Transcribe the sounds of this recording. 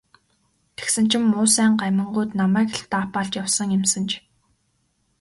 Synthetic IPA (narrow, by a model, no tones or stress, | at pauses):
t̪ʰe̥ksɘ̆n̥t͡ɕʰɪ̆mːʊːsæːɴɢæmʲə̆ɴɢujt̪namæːk̆ɬt̪aːpaːɮt͡ɕjawsə̆ŋjɪmsə̆nt͡ɕʰ